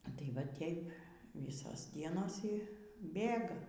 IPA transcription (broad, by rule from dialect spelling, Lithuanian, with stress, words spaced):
ɐ ˈtɐɪ ʋɐ ˈtʲeːɪp ˈʋʲiːsoːs ˈdʲiɛnoːs ˈiː ˈbʲeːɡɐ